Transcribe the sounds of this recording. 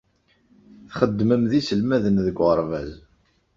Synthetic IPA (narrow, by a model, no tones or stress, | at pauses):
θχəd̪ːməmðisəlmæðənðəɡʷʁəɾˤvæz